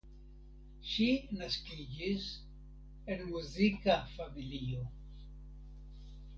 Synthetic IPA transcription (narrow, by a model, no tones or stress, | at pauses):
ʃinaskid͡ʒis | e̞nmuzikafamilio̞